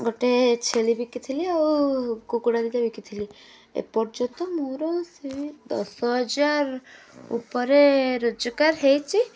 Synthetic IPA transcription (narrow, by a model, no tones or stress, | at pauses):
ɡɔʈet͡ʃʰelibikit̪ʰiliakukuɽad̪id̪ebikit̪ʰili | ḛpɔɾd͡ʒɔt̪ɔmoɾɔsiid̪ɔ̰sɔɦɔd͡ʒaɾ | ṵpɔɾeɾod͡ʒɔkaɾɦejt͡ʃʰi